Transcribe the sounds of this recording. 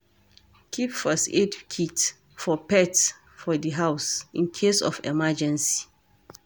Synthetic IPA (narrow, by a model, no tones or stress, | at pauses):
kʰipfəsetkʰit | fɔpɛt | fɔdiɦawsĩnkʰesɔ̰fɛ̰mad͡ʒɛ̃nsi̥